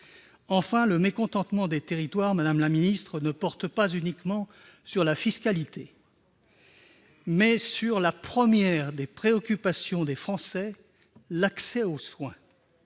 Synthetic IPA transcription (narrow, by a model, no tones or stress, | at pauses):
ɑ̃fɛ̃ləmekɔ̃t̪ɑ̃t̪mɑ̃d̪et̪eʁit̪waʁmad̪amlaminist̪χənəpɔʁt̪pazynikmɑ̃ | syʁlafiskalit̪ʰe | mɛsyʁlapχəmjɛʁd̪epχeɔkʲypasjɔ̃d̪efχɑ̃sɛ | laksɛoswɛ̃